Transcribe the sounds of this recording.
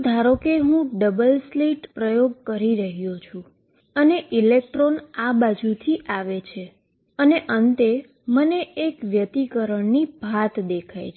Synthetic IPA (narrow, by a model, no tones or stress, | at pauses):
d̪ʱaɾokeɦũɖəbəlsliʈpɾəjoɡ̚kəɾiɾəɦjot͡ʃʰũ | əneʔilekʈɾonabad͡ʒut̪ʰiʔaʋet͡ʃʰe | əneʔənt̪e | məneːkʋjət̪ikəɾəɳnibʱat̪d̪ekʰa̰jt͡ʃʰ